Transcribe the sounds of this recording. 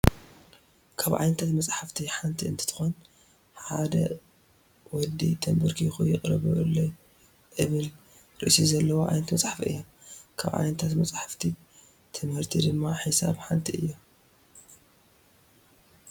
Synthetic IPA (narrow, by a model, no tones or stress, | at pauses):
kʰaβʕa̰jnɐt̪ʰat̪mɐt͡sʼħaft̪ʰiħant̪ʰiɨnt̪ʰɨ̥t̪ʰɨ̥xon | ħad̪ɐ | wɔd̪it̪ʰɐmbɨɾkʰixujɪχʼɾɐβulːo | ʔɨβɨl | ɾɨʔsizɐlːɐwoʕa̰jnɐt̪mɐt͡sʼħafiɨ̰jːomkʰa̰βʕa̰jnɐt̪ʰat̪mɐt͡sʼħaft̪ʰi | t̪ʰɨmhɨɾt̪ʰid̪ɨmːaħɨsa̰βħant̪ʰiʔɨjːo